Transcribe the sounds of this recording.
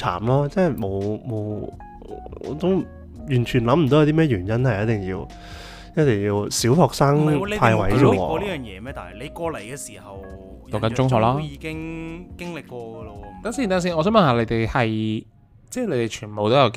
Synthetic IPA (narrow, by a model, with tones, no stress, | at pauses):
t͡sʰa̰ː˨˩mlɔː˥t͡sɛː˥mo˨˧wmo˨˧w | ɔ̰ː˨˧˥t̪o˥w | jyː˨˩nt͡ʃʰyː˨˩nlɐ˨˥m̩˨t̪o˨˥ɐ˨˧t̪i˥mɛː˥˩jɥyː˨˩njɐ˥nhɐ˨˩jɐ˥t̚t̪ɪ˨˩ŋjiː˧w | jɐ˥t̚t̪ɪ˨˩ŋjiː˧wsiː˨˥whɔː˨k̚saː˥ŋpʰaː˧jwɐ˨˥jɔ˧˥˧wɔ̰ː˧ɔː˧liː˥jœː˨ŋjɛ̰ː˨˧mɛː˥t̪aː˨nhɐ˨jle˨˧jkɔː˧le˨˩jkɛː˧siː˨˩hɐ˨w | jɐ˨˧wkɐ˨˦nt͡ʃʊ˥˦ŋɦɔː˧˥laː˥jiː˨˧kɪ˥ŋkɪ˥ŋlɪ˨kkːɔː˧ɡɔ˧lo˧t̪aː˥st̪aː˥s̬iː˥nʔɔː˨˧s̬œː˨˥mɐ˨˩nhaː˨˧le˨˧jt̪e˨jhɐ˨j | t͡sɛː˥˩le˨˧jt̪e˨jt͡ʃʰyː˨˩npo˨˧wt̪o˥jɐ˨˧w